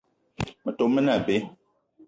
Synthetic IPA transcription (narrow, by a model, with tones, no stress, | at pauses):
mə˨to˨mːə˦na˨be˦